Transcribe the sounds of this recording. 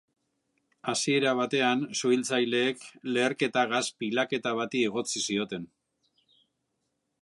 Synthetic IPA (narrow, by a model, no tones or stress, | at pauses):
asie̞ɾaβ̞at̪e̞ansuilt͡sajle̞ːkle̞ːɾke̞t̪aɣaspilake̞t̪aβat̪ieɣ̞o̞t͡sisio̞t̪e̞n